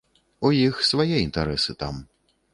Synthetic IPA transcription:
ujixsvajɛint̪aɾɛsɨt̪a̰m

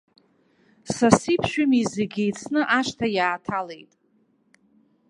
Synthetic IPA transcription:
sasipʰʃᶣʏmizeɡʲejt͡sʰnɨʔaʃtʰajaːtʰalejtʼ

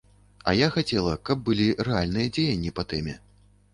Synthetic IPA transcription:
ɐ̰jaxat͡sʲɛlˠɐkɐb̚ːɨlʲirɛalʲnɨjɐd͡zʲejɐnʲːipɐt̪ɛmʲɛ

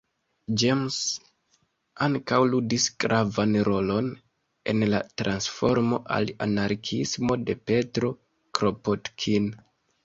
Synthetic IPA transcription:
d͡ʒems | aŋkawludisɡɾʔavanɾo̞lo̞n | e̞̰nla̰tɾansfo̞ɾmo̞ʔa̰la̰naɾkʰismo̞de̞pe̞tɾo̞ | kɾopotkʰin

